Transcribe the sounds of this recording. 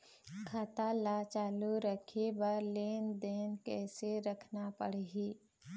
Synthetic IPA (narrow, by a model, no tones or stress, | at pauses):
kʰaːt̪alat͡ʃaːluɾəkʰebəɾleːnd̪eːnkɛːseɾɐkʰnapə̰ɽ̤ɦiː